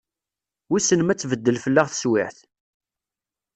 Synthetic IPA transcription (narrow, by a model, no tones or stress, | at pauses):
wisənəmæt͡sːvəd̪ːəlfəlːaʁθə̥swɪ̰ʕθ